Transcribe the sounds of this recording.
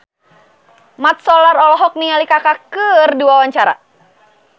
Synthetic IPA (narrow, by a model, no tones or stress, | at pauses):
mat̪̚sɔlaɾɔlɔɦɔk̚nialikakakərdiwawaɲt͡ʃaɾa̰